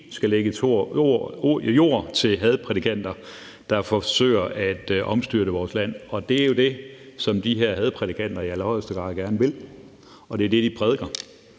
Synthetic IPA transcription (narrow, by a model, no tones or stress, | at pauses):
sɡ̥æleɡ̥əo | jo̝̰ːɐ̰t͡sʰe̝lɦɛðˠpʰʁɛd̥ikʰæn̰d̥ɐ | d̥ɑ̈fɒsø̰ːɪ̰ɐʔæd̥ʔɒ̽msd̥yɐəʋɒːslæn̰ɒ̽d̥e̝æɐjo̝d̥e̝sɒ̽md̥iɦeɐ̰ɦɛð̞ˠpʰʁɛd̥ikʰæn̰d̥ɐiælɐhɒ̽l̰sd̥əɡ̥ʁɑ̈ːðˠɡ̥æɐnəʋe̝l | ɒ̽d̥e̝ɐd̥e̝d̥ipʰʁɛð̞ˠɡ̥ɐ